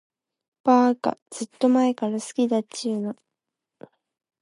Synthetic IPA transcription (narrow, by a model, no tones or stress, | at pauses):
paːka̰z̥ɨt̪ːo̞mae̞kaɾasɨ̥kʲid̪at͡ɕiːno